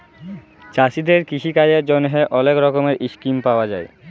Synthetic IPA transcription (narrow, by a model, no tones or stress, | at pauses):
t͡ɕaʃid̪eɾkɾiʃʰikajeɾd͡ʑonɦeʔɔlekɾɔkomeɾʔiʃkimpaoad͡ʑae